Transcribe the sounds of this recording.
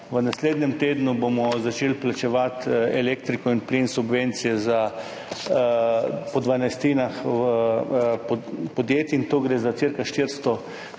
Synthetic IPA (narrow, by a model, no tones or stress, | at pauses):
ʋənasleːd̪nʲɛmt̪eːd̪nubomɔzat͡ʃeːlplat͡ʃɛʋat̪ɛlek̚t̪ɾikɔinpliːnsubʋent̪sijɛza | pɔd̪ʋanajst̪iːnaxʋəppɔd̪jeːt̪iint̪oːɡɾeːzat̪siɾkaʃt̪iɾst̪ɔ